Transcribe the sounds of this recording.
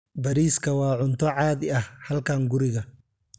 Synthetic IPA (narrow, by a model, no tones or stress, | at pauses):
bɐɾiːskʰɐwɑːʕʊnt̪ʰɔʕɑːðɪɐhhɐlkʰaːŋɡʊɾɪɣɐ